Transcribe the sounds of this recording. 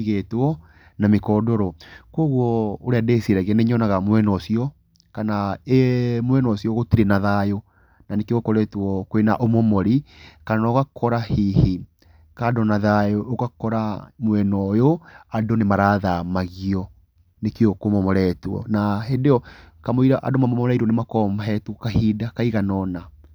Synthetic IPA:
iɣetwɔ | namekɔdɔɾɔkwɔɣwɔoɾeadesieɾɛɣɛneɲɔnaɣamwɛnɔsiɔ | kanaemwɛnɔsiɔɣotiɾenaðajo | nanekeɣokɔɾɛtɔkoenaʔomɔmɔɾikananɔɣakʰɔɾahihi | kadɔnaðajoːɣakɔɾamwɛnɔjoadonemaɾaðamaɣiɔ | nekeɔkomɔmɔɾɛtwɔ̰naɦedeɔkamoiɾaʔa̰domamɔmɔɔɾaiɾonemakɔmɔɦɛtwɔkahidakaiɣanɔna

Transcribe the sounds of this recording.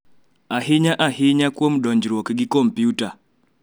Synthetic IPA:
aɦɪɲaʔahɪɲakwomdɔɲd͡ʒɾwɔkɡikɔmpjuta

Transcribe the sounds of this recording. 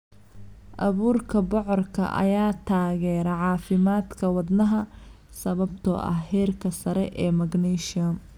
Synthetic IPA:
ʔɐβuːrkʰɐbɔʕɔrkʰɐ̰ʔɐ̰jaːt̪ʰaːɣɛːɾɐʕɑːfɪmaːd̪kʰɐwɑd̪nɐɦɐ | sɐβɐbt̪ʰɔ̰ɐ̰hhɛːrkʰɐsɐɾɛʔɛːmɐɡnɛʃɪɐm

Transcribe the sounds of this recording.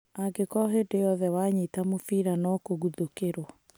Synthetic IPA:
aɡekɔɦedejɔðɛwaɲitamofiɾanɔkoɣuðokeɾwɔ

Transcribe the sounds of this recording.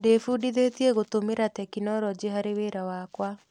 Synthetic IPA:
defuːdiðetieɣotomeɾatɛkinɔɾɔd͡ʑeɦaɾeweːɾawaːkwa

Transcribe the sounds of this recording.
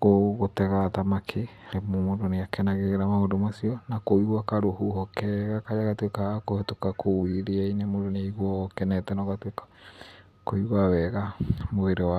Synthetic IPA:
ɣoɣotɛɣatamakʰe | ɾemomondoneakɛnaɣeɣeɾamaondomasiɔnakoiwakaɾohuhɔkɛɣakajaɣatwekakohetokakʰowiɾeainemondoneiɣwɔkɛnɛtɛnɔɣatwekḁ | koiwawɛɣamoeɾewa

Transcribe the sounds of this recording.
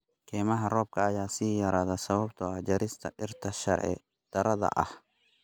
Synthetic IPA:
kʰɛːmɐɦɐrɔːb̚kʰɐːjaːsiːjɐɾaːðɐsɐβɐbt̪ɔɐd͡ʒɐɾɪst̪ʰɐ̰ʔɪɾt̪ʰɐʃɐ̰ɾʕɛ̰ | d̪̥ɐɾɐðɐ̰ʔɐ̰h

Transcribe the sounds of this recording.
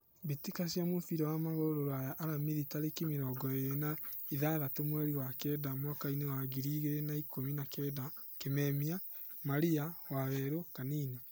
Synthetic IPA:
βitikasjamofiɾɔwamaɣoɾoɾoajaʔaɾamiðitaɾekimeɾɔːɡɔejenaiðaðatomwɛɾiwakɛdamwakainewaɡiɾiːɣeɾenaikominakɛːdakemɛːmia | maɾiawaβɛɾokaniːne

